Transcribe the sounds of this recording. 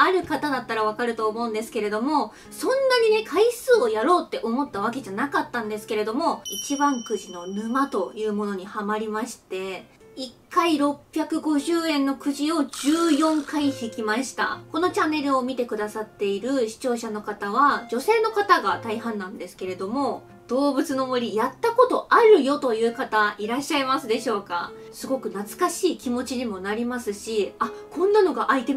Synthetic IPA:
aɾɯ̟kat̪ad̪at̪ːaɾaβ̞akaɾɯ̟t̪o̞ːmo̞ɯ̟̃nd̪e̞sɨ̥ke̞ɾe̞d̪o̞mo̞ | sõ̞nːaɲ̟ine̞kʰaisɨːojaɾo̞ːt̪ːe̞ʔo̞mot̪ːaβ̞ake̞ʑanakat̪ːãnd̪e̞sɨ̥ke̞ɾe̞d̪o̞mo̞it͡ɕibãŋkɯ̟ʑino̞nɯ̟mat̪o̞jɯ̟ːmo̞no̞ɲ̟ihamaɾʲimaɕi̥t̪e̞ | ikʰːaiɾo̞pʲːjakɯ̟ɡo̞ʑɨːẽ̞nːo̞kɯ̟ʑio̞ʑɨːjõ̞ŋkaisekʲimaɕi̥t̪a̰ko̞no̞t͡ɕanːe̞ɾɯ̟o̞mʲit̪e̞kɯ̟d̪asat̪ːe̞iɾɯ̟ɕi̥t͡ɕo̞ːɕano̞kat̪aβ̞ad͡ʑo̞se̞ːno̞kat̪aɡat̪aiɦãnːãnd̪e̞sɨ̥ke̞ɾe̞d̪o̞mo̞ | d̪̥o̞ːbɯ̟t͡sɨno̞mɯ̟ɾʲijat̪ːako̞t̪o̞ʔaɾɯ̟jo̞t̪o̞jɯ̟ːkat̪aiɾaɕːaimasɨd̪e̞ɕo̞ːka | sɨɡo̞kɯ̟nat͡sɨ̥kaɕiːkʲimo̞t͡ɕiɲimo̞naɾʲimasɨɕiakʰõ̞nːano̞ɡaʔait̪e

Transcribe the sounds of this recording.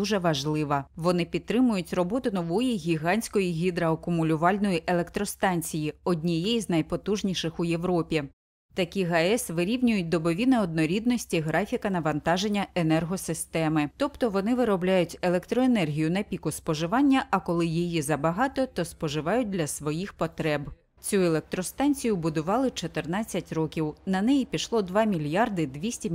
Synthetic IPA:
uʒɛʋɐʒlˠɪʋɐʋɔnɪpʲid̪t̪t̪ːɾɪmʊjʊtʲrɔbɔt̪ʊnɔʋɔjiɣʲiɦɑnʲsʲkɔjiɦʲid̪ɾɐɐkʊmʊlʲʊʋɑlʲnɔjiʔelˠekt̪ɾɔst̪ɑnʲt͡sʲijiɔdʲnʲijɛznɐjpɔt̪uʒnʲiʃɪxʊje̞ʋɾɔpʲi | t̪ɐkʲiɦɐɛsʋɪɾʲiwnʲʊjʊt̚ʲd̪ɔbɔʋʲinɪɔd̪̚nɔɾʲid̪nɔsʲtʲiɦɾɑfʲikɐnɐʋɐnt̪ɑʒenʲːɐenɛrɦɔsɪst̪ɛmɪt̪ɔpt̪ɔʋɔnɪʋɪɾɔblʲajʊtʲe̞lˠekt̪ɾɔenɛrɦʲijʊnɐpʲikʊspɔʒɪʋɑnʲːɐʔɐkɔlˠɪjijizɐbɐɦɑt̪ɔt̪ɔspɔʒɪʋɑjʊt̚ʲd̪lʲɐsʋɔjixpɔt̪ɾɛb | t͡sʲuelˠek̚t̪ɾɔst̪ɑnʲt͡sʲijʊbʊd̪ʊʋɑlˠɪt͡ʃɔt̪ɪrnɑt͡sʲːɐtʲrɔkʲiwnɐnɛjipʲiʃlˠɔd̪ʋɑmʲilʲjɑrd̪ɪd̪ʋʲisʲtʲi

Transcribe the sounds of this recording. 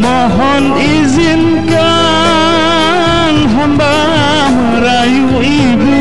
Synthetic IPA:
mɔɦɔn | izin̩ka | n̩ɦɔmbaɦɔɾaju | i | bi

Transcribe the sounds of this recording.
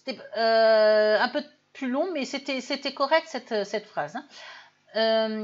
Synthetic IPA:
se̥t̪ɛø | ɛ̃pø | plylɔ̃mɛset̪ɛset̪ɛkɔʁɛk̚t̪sɛt̪øsɛt̪fχazɛ̃ | øm

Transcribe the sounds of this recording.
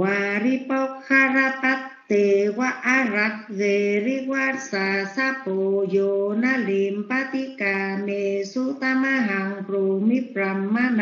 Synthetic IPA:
waɾipakhaɾat̪at̪ːewaʔaɾak̚ɣeriwarsasapojonalimpat̪ikanesut̪amaɦaŋprumip̚ɾamːana

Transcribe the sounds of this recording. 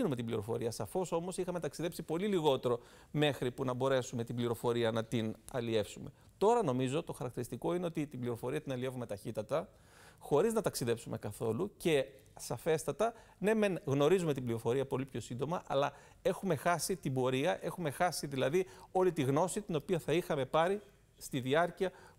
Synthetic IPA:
inume̞t̪ibliɾo̞fo̞̰ɾiɐsɐfo̞so̞mo̞sixɐme̞t̪ɐksiðe̞psipo̞liliɣo̞t̪e̞ɾo̞ | me̞xɾipunɐbo̞ɾe̞sume̞t̪ibliɾo̞fo̞ɾiɐnɐt̪inɐ̰lie̞fsume̞ | t̪o̞ɾɐno̞mizo̞t̪o̞xɐɾɐkt̪iɾist̪iko̞ineot̪it̪ibliɾo̞fo̞ɾiɐt̪inɐlie̞vume̞t̪ɐçit̪ɐt̪ɐ | xo̞ɾiznɐt̪ɐksiðe̞psumʔe̞̰kɐθo̞luce̞ | sɐfe̞st̪ɐt̪ɐ | ne̞menɣno̞ɾizume̞t̪ibliɾo̞fo̞ɾiɐpo̞lipço̞sind̪o̞mɐʔɐlɐ | e̞xume̞xɐsit̪ibo̞ɾiɐʔe̞xume̞xɐsiðilɐðio̞lit̪iɣno̞sit̪ino̞piɐθɐixɐme̞pɐɾi | st̪iðiɐɾciɐ

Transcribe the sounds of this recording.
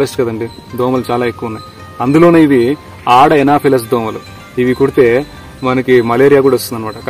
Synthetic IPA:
esʈkɐd̪ɐɳɖi | d̪oːmɐlt͡ʃaːlaːekːuʋɐunːɐːj | ɐnd̪ulo̞ːne̞ːiʋi | aːɽɐɛnaːpʰelɐs̬d̪oːmɐlu | iʋikuɽit̪e̞ː | mɐnɐkimɐleːɾijaːkuːɽaʋost̪und̪ɐnɐmaːʈɐk

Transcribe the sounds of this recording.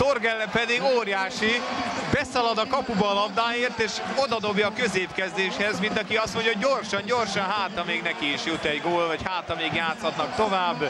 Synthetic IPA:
t̪orɡɛlːɛpɛd̪iɡoːrjaːʃibɛsɒlɒd̪ɒkɒpubɒːlɒbd̪aːjeːrt̪eːʃo̞d̪ɒd̪o̞bjɒːkøzeːpkɛzd̪eːʃhɛzmint̪ɒkiɒst̪mo̞ɲɟjɒɦoɟːorʃɒɲɟo̞rʃɒnɦaːt̪ɒmeːɡnɛkiːʃjut̪ɛɟɡoːlvɒchaːt̪ɒmeːɡjaːt̪sɒt̪nɒkt̪o̞vaːbː

